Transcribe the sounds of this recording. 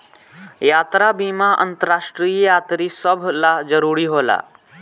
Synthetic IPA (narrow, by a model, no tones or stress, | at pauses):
jat̪ɾabimaʔə̰nt̪əɾaʂʈɾijjat̪ɾiːsəbʱlad͡zəɾuɾiːɦola̰